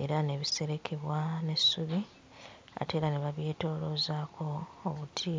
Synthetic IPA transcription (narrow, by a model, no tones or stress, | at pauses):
e̞̰ɾane̞βise̞ɾe̞kʰe̞βwane̞sːuβi | a̰te̞ːɾaneβaβje̞ːto̞ːlozaːkʰo̞ːβutʰi